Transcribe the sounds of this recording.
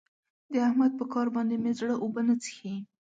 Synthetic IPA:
d̪əahmad̪̚pəkɑɾbɑnd̪emezɽəʔobənət͡sə̥xei

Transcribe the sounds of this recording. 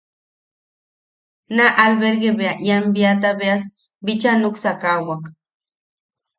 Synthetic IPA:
naʔalbeɾɡebeaʔjambiat̪abeas | bit͡ʃanuksakawak

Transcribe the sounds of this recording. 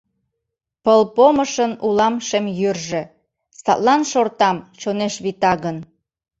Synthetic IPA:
pəlpoməʃənulɑmʃemjyrʒĕ | st̪ɑ̰t̪lɑnʃort̪ɑmt͡ɕoneʃβit̪ɑɣən

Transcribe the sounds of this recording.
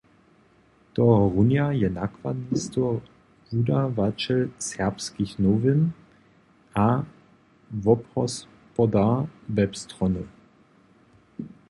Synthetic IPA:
tɔʁunjajɛnakv̥ad̪nistɔ | udavat͡ʃɛlsɛɐpskixnovɪn | a | vɔpɔs | pɔdavɛpst̪ʁɔnə

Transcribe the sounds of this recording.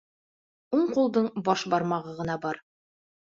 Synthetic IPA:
uɴqulˠd̪ɤɴbɒʃbɑɾmɑʁɤʁɤ̆nɑbɑɾ

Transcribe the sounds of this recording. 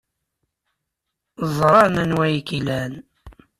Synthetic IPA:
zˤɾˤɑnænwæjkilæn

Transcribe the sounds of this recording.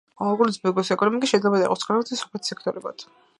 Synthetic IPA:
alɡɔɾsbɛɡɔsɛkʼɔnɔmikʼisʃɛd̪lɛbad̪aḭɔsʰχʰʼaɾabat̪ʰsɔ̥pʰlɛt̪ʰsɛkʰt̪ʰʼɔɾɛba̰d̪̥

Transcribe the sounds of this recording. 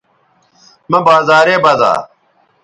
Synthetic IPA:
mɐbaːzaːɾeːbaza̰ː

